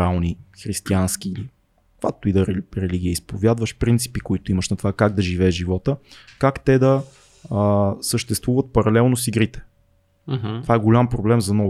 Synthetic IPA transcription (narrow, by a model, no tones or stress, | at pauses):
alˠnixɾist̪iansk̟iili | kvak̚t̪ʊid̪ɐɾɛɾɛliɡ̟iəispovʲjad̪vəʃpɾint̪si̥pikoit̪ʊiməʃnɐt̪ovakaɡ̚d̪ɐʒivɛːʒʒivɔt̪əkakt̪ɛd̪ɐ | səʃt̪ɛst̪vuvət̪̚pɐɾɐlɛlˠnosiɡɾit̪ɛ̥ | t̪ovaɛɡolʲampɾoblɛmzɐnɔ